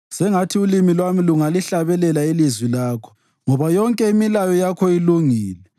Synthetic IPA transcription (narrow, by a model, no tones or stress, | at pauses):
sɛŋatʰiulimilwamiluŋaliɬaβɛlɛlailizwilaːkʰɔ̥ | ŋɔβajɔŋkʼɛimilajɔjakʰɔiluŋiːlɛ